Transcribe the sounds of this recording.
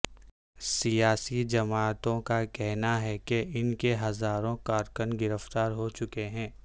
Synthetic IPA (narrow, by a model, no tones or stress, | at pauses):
sijaːsid͡ʒɐmaːt̪õkakɛɦnaɦɛkeɪnkeɦɐzaːɾõkaːɾkənɡɪɾəft̪aːɾɦot͡ʃʊkeɦɛ̃ː